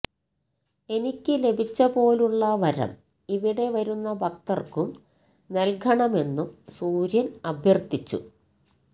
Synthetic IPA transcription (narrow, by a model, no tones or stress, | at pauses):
e̞nikʲːɨle̞bʱit͡ɕːɐpo̞ːluɭːɐʋɐɾɐ̰m | iʋiɽe̞ʋɐɾunːɐbɐk̚t̪ɐrkum | ne̞lkʰɐɳɐme̞nːumsuːɾjɐnɐbʱjɐrt̪it͡ɕːṵ